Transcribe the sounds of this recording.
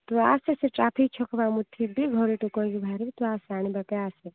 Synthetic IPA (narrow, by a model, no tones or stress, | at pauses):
t̪uaːseseʈaːpʰikt͡ʃʰɔkʰbamut̪ʰibiɡʱɔɾiʈukɔɡibʱaːɾibit̪uaːsaːnibɐkeaːse